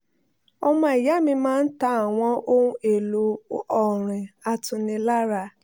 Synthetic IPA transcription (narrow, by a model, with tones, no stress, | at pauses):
ɔ˧mã˧˦i˨ja˨˦mĩ˧mãː˦n̩˦ta˦a˨w̃ɔ̃˧˦o˦ũ˧e˨lo˨ɔ˨ɾ̃ĩ˨a˧tũ˧nĩ˧la˦ɾa˧˨